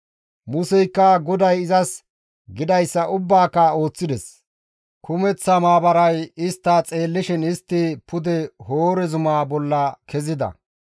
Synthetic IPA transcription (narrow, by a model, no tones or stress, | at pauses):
mʊsɛjkːɐɡɔd̪ɐjɪzɐs | ɡɪd̪ɐjsːɐʔʊbːaːkːɐo̞ːt͡sːɪd̪ɛs | kʰʊmɛt͡sːɐmaːbɐɾɐjɪst̪ːat͡sʼe̞ːlːɪʃɪnɪst̪ːɪpʊd̪ɛho̞ːɾɛzʊmaːbɔlːɐkʰɛzɪd̪ɐ̰